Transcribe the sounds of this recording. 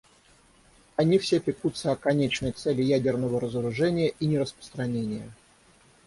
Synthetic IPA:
ɐnʲifsʲepʲɪkut̪səɐkɐnʲet͡ɕnəjt̪sɛlʲɪjædʲɪrnəvəɾəzəɾʊʐɛnʲɪjəʔinʲɪɾəspɾə̥st̪ɾɐnʲenʲɪjə

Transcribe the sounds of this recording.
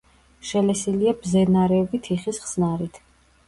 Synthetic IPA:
ʃɛlɛsiliabzɛnaɾɛɔvit̪ʰiχisχsnaɾit̪ʰ

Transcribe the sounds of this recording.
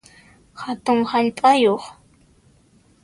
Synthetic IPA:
hat̪ʊŋhaʎpʼajoχ

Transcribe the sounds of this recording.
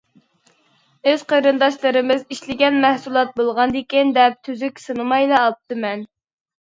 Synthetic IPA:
øz̥qʰəɾɨnd̪ɑʃlˠɨɾɨmɪziʃlɪɡʲɛnmæhsulˠɑt̪̚bolˠʁɑnd̪ɪkʲind̪ɛp̚t̪ʰyzykʲsɨnɨmɑjlˠɑːp̚t̪ʰɨmɛn

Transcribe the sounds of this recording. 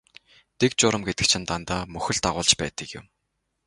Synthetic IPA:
t̪ʰek̚t͡ɕʊːɾə̆mɡet̪ɘ̆k̚t͡ɕʰɪ̆nt̪ant̪aːmɵxɵ̆ɮt̪aʁʊːɮt͡ɕpæ̰ːt̪ə̆kjʊ̰m

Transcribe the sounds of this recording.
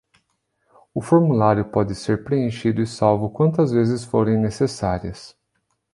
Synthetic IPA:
ʊfoɾmulaɾjʊpɔd̪ɪseɾpɾeẽʃid̪ʊɪsawvʊkwɐ̃nt̪ɐzvezɪsfoɾẽj̃nesesaɾiɐs

